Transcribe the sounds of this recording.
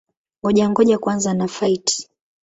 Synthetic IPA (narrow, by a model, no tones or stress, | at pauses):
ŋɡɔʄaŋɡɔʄakwanzanafaiti̥